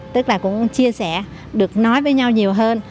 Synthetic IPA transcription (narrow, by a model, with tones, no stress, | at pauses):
t̪ɨ˦˥k̚laː˨˩kʊ̰˧˥ŋ͡mt͡ɕi˧əsɛ˧˩ | ɗɨ˨˩ək̚nɔ˨˦jvəː˨˦jɲa˧wɲi˨˩əwɦəː˧n